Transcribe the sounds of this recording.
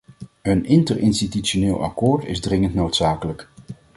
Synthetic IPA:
ɦənɪntərɪnstityʃonɪːlˠɑ̰koːɹtɪ̰zdrɪŋəntnowtsaːkələk

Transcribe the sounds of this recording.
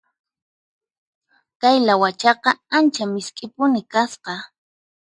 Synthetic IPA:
kajlawat͡ʃɑqɑant͡ʃamɪskʼɪpʊnɪkasqɑ

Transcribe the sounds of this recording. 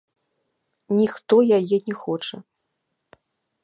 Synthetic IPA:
nʲixt̪ɔjajɛnʲɛxɔt͡ʂɐ

